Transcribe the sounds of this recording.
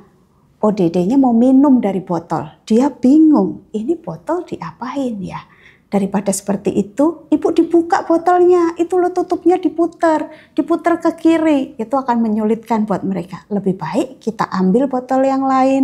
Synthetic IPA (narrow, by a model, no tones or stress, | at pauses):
odedeɲamauminʊmdaɾibɔt̪ɔ̰ld̥iab̥iŋʊŋinib̥ɔt̪ɔld̥iʔapaɪnja | d̥aɾipadasə̥pərt̪ḭʔit̪uipʊʔdibukaʔb̥ɔt̪ɔlɲait̪ulɔht̪ut̪ʊp̚ɲadiput̪ərd̥iput̪ərkəkiɾijat̪uakanməɲulɪt̪̚kanbuat̪̚məɾekaləbɪhb̥aɪʔkit̪a̰ʔambɪlbɔt̪ɔljaŋlaɪn